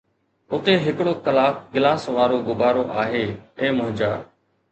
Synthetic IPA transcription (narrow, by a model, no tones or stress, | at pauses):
ʊt̪eːɦɪkɽoːkəlaːkɡɪlaːsʋaːɾoːɡʊbaːɾoːʔaːɦeːeːmʊ̃ɦd͡ʒaː